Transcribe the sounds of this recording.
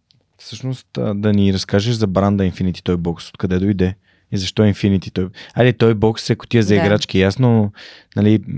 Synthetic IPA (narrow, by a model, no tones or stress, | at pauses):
fsɤʃnost̪ːd̪ɐniɾɐskaʒeʃzɐbɾand̪əinfinit̪i̥t̪ɔjbɔkso̥t̪̚kɐd̪ɛd̪ojd̪ɛ | izɐʃt̪ɔinfinit̪it̪ɔjalit̪ɔjbɔksɛkʊ̥t̪iɛzɐiɡɾat͡ʃkijasnonɐli